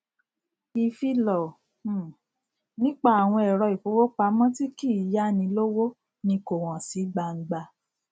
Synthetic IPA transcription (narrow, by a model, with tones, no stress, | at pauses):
i˨fi˧lɔ˨˦ | nĩ˦k͡pa˦˨a˨w̃ɔ̃˧ɛ˨ɾɔ˧i˨fo˨˦wo˦k͡pa˧˦mɔ̃˦ti˦ki˦˨˦ja˦nĩ˧lo˦wo˦ | nĩ˧ko˨w̃ɔ̃˨si˨˦ɡ͡ba˧ŋ̩˦ɡ͡ba˧